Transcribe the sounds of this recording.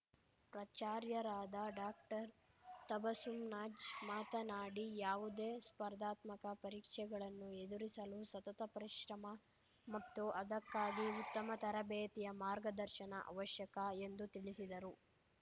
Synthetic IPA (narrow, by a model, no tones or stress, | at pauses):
pɾɐt͡ʃaːɾjɐɾaːd̪ɐɖaːk̚ʈɐɾ | t̪ɐbɐsumnaːd͡ʒmaːt̪ɐnaːɽijaːʋud̪eːspɐɾd̪aːt̪mɐkɐpɐɾiːkʂɛɡɐɭɐnːue̞d̪uɾisɐlusɐt̪ɐt̪ɐpɐɾiʃɾɐmɐ | mɐt̪ːuʔɐd̪ɐkːaːɡiut̪ːɐmɐt̪ɐɾɐbɛːt̪ijɐmaːɾɡɐd̪ɐɾʃɐnɐʔɐ̰ʋɐʃjɐkɐe̞nd̪ut̪iɭisid̪ɐɾu